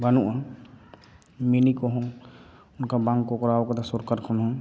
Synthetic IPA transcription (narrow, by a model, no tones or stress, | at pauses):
banuʔa | menikɔɦɔ̃ | ʊnkabãŋɡkokɔɾaɔkat̪asɔɾkaɾkʰɔnɦɔ̃